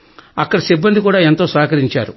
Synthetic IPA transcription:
ɐkːɐɽɐsibːɐnd̪ikuːɽaːe̞nt̪o̞ːsʋaːkɐɾiɲt͡ʃa̰ːɾu

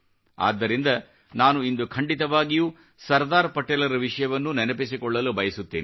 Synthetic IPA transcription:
a̰ːd̪ːɐɾind̪ɐ | naːnuind̪ukʰɐɳɖit̪ɐʋaːɡijuː | sɐɾd̪aːɾpɐʈːeːlɐɾɐʋiʂɐjɐʋɐnːunɛnɐpis̬ikɔɭːɐlubɐjɐsut̪ːeːni

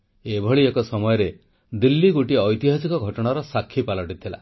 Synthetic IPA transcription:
ebʱɔɭiekɔsɔmɔjɔɾe | d̪ilːiɡuʈiɔjt̪iɦasikɔɡʱɔʈɔɽ̃aɾɔsakʰːipalɔʈit̪ʰila̰

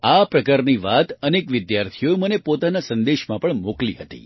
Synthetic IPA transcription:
apɾəkaɾniʋat̪ənekʋɪd̪jaɾt̪ʰijoemənepot̪anasənd̪eʃmãpəɳmokliɦət̪ḭ

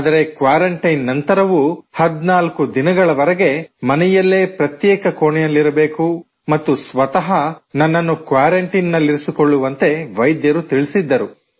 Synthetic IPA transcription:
d̪ɐɾe̞kʋaːɾɐɳʈɐjnːɐnt̪ɐɾɐʋuhɐd̪naːlkud̪inɐɡɐɭɐʋɐɾɐɡe̞mɐnɛjɐlːe̞ːpɾɐt̪jɛːkɐkoːɳɛjɐlːiɾɐbe̞ːku | mɐt̪ːusʋɐt̪ɐɦɐnɐnːɐnːukʋaːɾɐɳʈinːɐlːiɾisikoɭːuʋɐnt̪e̞ʋɐjd̪jɐɾut̪iɭisid̪ːɐɾu

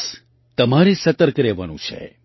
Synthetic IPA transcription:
s | t̪əmaɾisət̪əɾkɾeʋa̰nṵ̃t͡ʃʰḛ

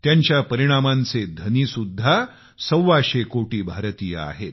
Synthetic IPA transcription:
t̪jaɲt͡ɕjapəɾiɽ̃amãnt͡sed̪ʱəniːsud̪ʱːa | səwːaɕekoʈiːbʱaɾt̪ijə̰a̰ɦet̪

